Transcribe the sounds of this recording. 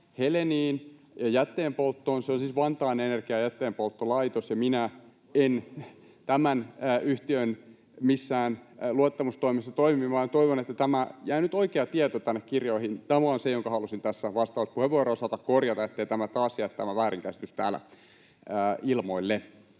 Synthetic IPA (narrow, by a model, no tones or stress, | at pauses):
heleniːnjɑjæt̪ːeːmpolt̪ːoːnseonsisʋɑnt̪ɑinenerkiɑjæt̪ːeːmpolt̪ːolɑit̪osjɑminæ | en | t̪æmænːʔyht̪iøn | misːæːnluɑt̪ːɑmust̪oimesːɑt̪oimimɑːnt̪oiʋonet̪ːæt̪æmæjæinyt̪oikeɑt̪iɛt̪ot̪ænːekkirjoihint̪æmæonsejoŋkɑhɑlusint̪æsːæʋɑst̪ɑuspuheʋuoˑrosɑt̪ɑkkorjɑt̪ɑet̪ːeit̪æmæt̪ɑːsjæt̪t̪æmæʋæːriŋkæsi̥t̪yst̪æ̰ːlæ̰ | əːilmoilːe